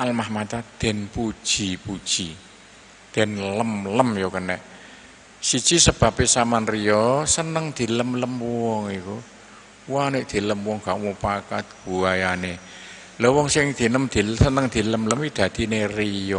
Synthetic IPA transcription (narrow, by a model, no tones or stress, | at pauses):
ʔalmahmat͡ʃad̪̥ɛ̤npud̥ʒ̥i̤pud̥ʒ̥i | d̪̥ɛ̤nləmləmjokənɛʔ | sid̥ʒ̥i̤səb̥ä̤pesamanrijɔsənəŋd̪̥i̤ləmləmwɔŋiku | waneʔd̪̥e̤ləmwɔŋɡ̥aʔwupakat̪̚ɡ̥ṳajane | lɔwɔŋsɪŋd̪̥i̤nəmd̪̥isənəŋd̪̥i̤ləmləmwid̪̥ä̤d̪̥inerijɔ